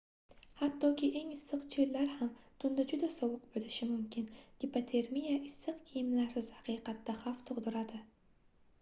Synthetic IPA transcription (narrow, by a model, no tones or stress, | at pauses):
hat̪ʰːɒkʲɪʔe̞ŋɪsːɨqt͡ʃʰellaɾhamt̪ʰʊnd̪ad͡ʒʊd̪asɒwʊq̚bolɪʃɪmʊmkʲʰɪnɡʲɪpat̪ʰe̞ɾmijaʔɪsːɨqkʲʰijɪmlaɾsɪz̥haqʰɨjqʰɑt̪d̪ːaχaft̪ʰʊʁd̪ʊɾad̪ɪ